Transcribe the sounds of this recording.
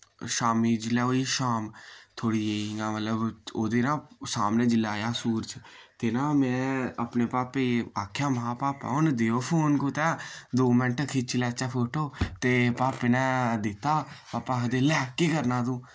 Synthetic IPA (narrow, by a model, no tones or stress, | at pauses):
ʃaːmiːd͡ʒlɛːoːiːʃaːmt̪ʰoːɽiːeːãːmələboːd̪eːnãːsaːmnẽːd͡ʒɪlaːjaːsuːɾt͡ʃt̪eːnãːmɛ̃ːəpneːpaːpeaːkʰːjaːməɦãːpaːpa̰ːond̪eːoːpʰoːnkot̪ɛːd̪oːmənʈkʰit͡ʃilɛːt͡ʃaːpʰoːʈoːt̪eːpaːpenɛ̃ːd̪ɪt̪ːaːpaːpaːɦd̪eːlɛːkːeːkəɾnãːd̪ũː